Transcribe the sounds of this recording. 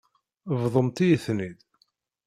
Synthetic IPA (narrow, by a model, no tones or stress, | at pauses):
vðˤəmt̪ijəθnid̪